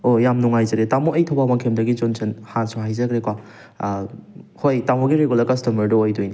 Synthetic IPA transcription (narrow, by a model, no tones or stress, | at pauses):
ojamnuŋajzɐɾetamoʔejtʰɐwbamakʰemdɐɡid͡ʒonsʰenhansuhajzɐɡɾekwa | hojtamoɡiɾeɡulɐɾkɐstɐmɐɾdoːjdojni